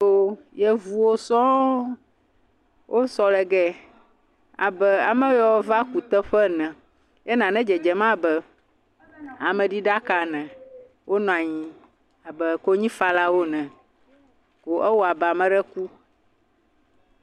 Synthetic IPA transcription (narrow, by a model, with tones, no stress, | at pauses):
o˦jɛ˦vu˨wo˦sɔ̃˦ | wʔo˦sɔ˨lɛ˨ɡɛ˦ | a̰˨bɛ˨a̰˨mɛ̃˦jɔ˦va˦ku˨t̪ə˦ɸɛ˦nɛ̃˨ | jɛ˦nã˨nɛ̃˦d͡ʒɛ˨d͡ʒɛ˨mã˦bɛ˦ | a˨mɛ̃˨ɖi˦ɖa˦ka˨nɛ̃˨ | wʔo˦nɔ̃˨a˨ɲĩ˨ | a˨bɛ˨ko˦ɲĩ˦fa˦la˦wo˦nɛ̃˨ | ko˨ʔɛ˦wo˦a˨bɛ˨a˨mɛ̃˨˦ɖɛ˦ku˦